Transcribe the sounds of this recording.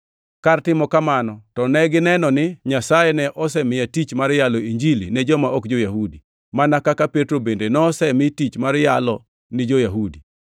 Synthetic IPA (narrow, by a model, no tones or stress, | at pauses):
kartɪmɔkamanɔtɔnɛɡɪnɛnɔnɪɲasajɛnɛʔɔs̬ɛmɪjatit͡ʃmaɾjalɔiɲd͡ʒilḭnɛd͡ʒɔmaʔɔkd͡ʒojaɦudi | manakakapetɾobendenɔsɛmɪtit͡ʃmaɾjalɔ | nɪd͡ʒojaɦudi